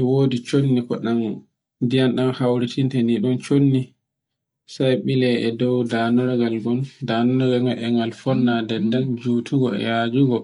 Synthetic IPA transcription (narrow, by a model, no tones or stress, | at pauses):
ɛwoːdit͡ʃonːikɔɗan | dijanɗanhawɾitintɛniɗɔnt͡ʃonːi | sajɓilɛʔɛdɔwdaːnɔɾaɡalɡɔndaːnɔɾaɡaŋalɛŋalfɔnːadɛdːand͡ʒuːtʰuɡɔɛ̰jaːd͡ʒuɡɔ